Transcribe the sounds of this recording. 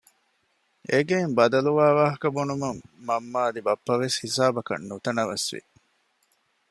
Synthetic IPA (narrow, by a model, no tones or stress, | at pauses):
ʔeɡeimbɐd̪ɐluʋaːʋaːɦɐkɐbunumɐmːɐmːaːd̪ibɐpːɐʋeshisaːbɐkɐ̰nːut̪ɐnɐʋɐsʋḭ